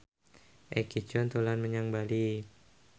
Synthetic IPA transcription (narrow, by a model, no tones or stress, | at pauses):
ʔekit͡ʃɔnt̪ulanməɲaŋbali